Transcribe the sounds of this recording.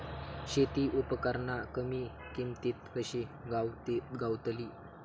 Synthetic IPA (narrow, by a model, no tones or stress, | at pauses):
ɕet̪iːʔupəkəɾɳakəmiːkimt̪it̪kəɕeɡaɡawt̪liː